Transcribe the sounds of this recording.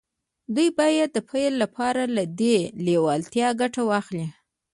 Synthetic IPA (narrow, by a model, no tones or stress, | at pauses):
d̪ujbɑjad̪ːəpʰajlːapʰɑɾalad̪elewɑlt̪jɑɡaʈawɑxli